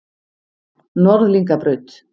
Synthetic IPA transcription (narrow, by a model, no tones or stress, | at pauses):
nɔɾðliŋkapɾʏɥt̪